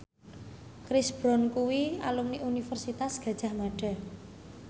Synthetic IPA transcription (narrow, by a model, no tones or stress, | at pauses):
kɾisb̥ɾɔnkuwialumniʔunifərsit̪asɡ̥a̤d̥ʒ̥a̤hmaɖ̥a̤